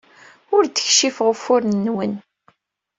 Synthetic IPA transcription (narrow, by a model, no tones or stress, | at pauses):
ʊɾd̪ə̥çʃifʁəfʊɾnːwən